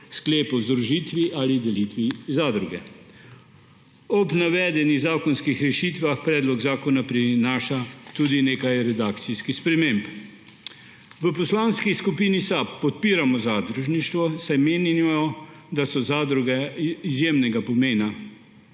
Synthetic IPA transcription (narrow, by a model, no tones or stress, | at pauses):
skleːpɔzd̪ɾuʒiːt̪ʋiʔalid̪ɛliːt̪ʋizaːd̪ɾuɡɛ̰ | ɔbnaʋɛːd̪ɛniɣzaːkɔnskixɾɛʃiːt̪ʋaxpɾɛːd̪lɔɡzaːkɔnapɾinaːʃat̪uːd̪ineːkajɾɛd̪aːkt̪siskispɾɛmeːmp | ʋəpɔslaːnskiskupiːnisapːɔt̪̚piːɾamɔzad̪ɾuʒniʃt̪ʋɔsajmeːnɔ | d̪asɔzaːd̪ɾuɡɛizjeːmnɛɡapɔmeːna